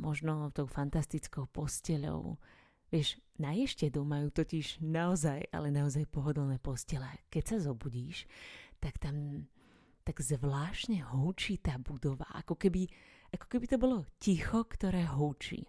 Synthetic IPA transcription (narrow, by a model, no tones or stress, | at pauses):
mɔʒnɔt̪ɔʊfant̪ast̪it͡skɔʊpɔscɛʎɔ̰ʊ | ʋɪɛʃnajɛʃcɛd̪umajuːt̪ɔciʒnaɔzaja̰lɛnaɔzajpɔɦɔd̪ɔlnɛːpɔscɛlɛakɛcsazɔbuɟiːʃt̪akt̪am | t̪aɡ̥zʋlaːʃɲɛɦuːt͡ʃiːt̪aːbud̪ɔʋa̰ʔa̰kɔkɛbiʔakɔ̥kɛbit̪ɔbɔlɔcixɔkt̪ɔɾɛːɦuːt͡ʃḭ